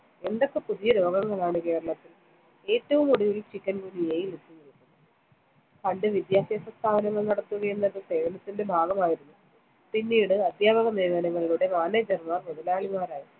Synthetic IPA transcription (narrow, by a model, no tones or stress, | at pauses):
e̞nd̪ɐkːɨpuðijɐɾo̞ːɡɐŋːɐɭaːɳɨke̞ːɾɐɭɐt̪ːil | e̞ːtːɐʋumuɽiʋilumt͡ɕikʲːɐnkunijɐjilet̪ːinːiɭikːunː | pɐɳɖɨʋid̪jaːsiɐsrɐst̪ʰaːʋɐnɐŋːɐɭnɐɽɐt̪ːuɣɐjenːɐðɨseːɻɐnɐt̪ːinde̞bʱaːɡɐmaːjiɾunːu | pinːiːɽɨɐd̪ʱjaːbɐɣɐneːʋɐnɐŋːɐɭiɭuɽe̞maːnɐd͡ʑɐrmarmoðɐlaːɭimaːɾaːji